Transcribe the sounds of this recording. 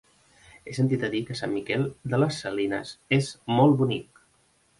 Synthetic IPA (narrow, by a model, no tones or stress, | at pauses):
esənt̪it̪əðikəsamːmikɛlˠd̪ələsːəlinə̰sezmɔlˠbunik